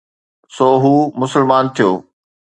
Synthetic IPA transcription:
soːɦuːmʊsəlmaːnt̪ʰijo̰ː

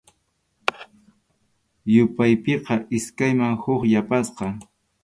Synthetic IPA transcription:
jʊpajpeqɑʔɪskajmaŋhʊχjapasqɑ

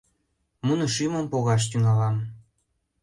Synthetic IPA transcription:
munəʃyməmpoɣɑʃ̬t̪yŋɑlɑm

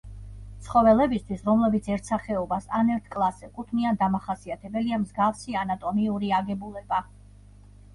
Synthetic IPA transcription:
t̪sʰχɔvɛlɛbist̪ʰwisɾɔmlɛbit̪sʰɛɾt̪ʰsaχɛɔbasanɛɾt̪ʰkʼlˠasɛkʼut̪ʰniand̪amaχasiat̪ʰɛbɛliamzɡafsianat̪ʼɔmiuɾiaɡɛbulɛba

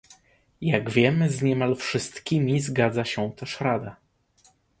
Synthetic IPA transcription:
jaɡvʲjɛmɘzɲɛmalfʂɘst̪kʲimʲizɡad̪zaɕɛ̃t̪ɛʂɾad̪a

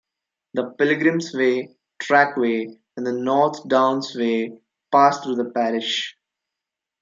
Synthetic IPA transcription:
d̪əpɪlɪɡɾɪ̃msʋeː | ʈʰɾækʋeː | ɛ̃nd̪ənɔːɾt̪ʰɖãʊ̃nsʋeː | paːst̪ʰɾuːd̪əpæɾɪʃ

